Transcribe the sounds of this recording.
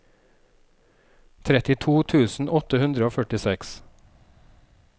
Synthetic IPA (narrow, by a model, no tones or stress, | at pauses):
t̪ʰɾɛt̪ɪt̪ʰuːt̪ʰʉːsn̩ʔɔt̪əhʉnd̪ɾəoːfœʈɪsɛks